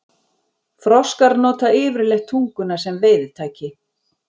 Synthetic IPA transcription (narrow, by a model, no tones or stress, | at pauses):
fɾɔskaɾnɔːt̪aɪːvɪɾlɛxt̪ʰuŋkʏnasɛmvɪːjðt̪ʰaːcɪ